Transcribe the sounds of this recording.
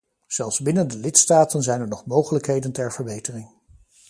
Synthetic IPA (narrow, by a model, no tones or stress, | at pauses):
z̥ɛlˠfsbɪnəndəlɪtstaːtənzɛjnəɹnɔχmowχələkɦejdəntɛɹv̥əɹbejtərɪŋ